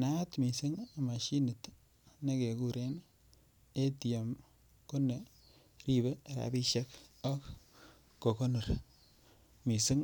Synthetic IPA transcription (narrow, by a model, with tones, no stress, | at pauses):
na˦tmi˨si˦ŋa˨ma˨ʃi˦ni˨t | ne˦ke˨ku˦ɾe˦n | e˦ti˨e˨m | ko˦ne˨ | ɾi˦be˦˨ɾa̰˨bi˦ʃe˦kɔ˦kː | o˨ko˦no˨ɾ | mi˨si˦ŋ